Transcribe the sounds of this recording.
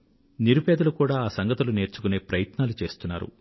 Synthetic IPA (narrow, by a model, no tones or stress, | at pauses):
niɾupɛːd̪ulukuːɽaːaːsɐŋɡɐt̪ulune̞ːɾt͡ʃukune̞ːpɾɐjɐt̪naːlut͡ʃe̞ːst̪unːa̰ːɾṵ